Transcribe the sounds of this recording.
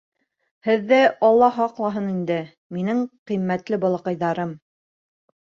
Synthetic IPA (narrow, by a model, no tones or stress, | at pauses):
hɘ̆ðːæɑlˠːɑɦɑqlˠɑɦɤnind̪ɘ | minɘŋqimːæt̪lɘbɑ̆lˠɤ̆qɤ̆jðɑɾɤm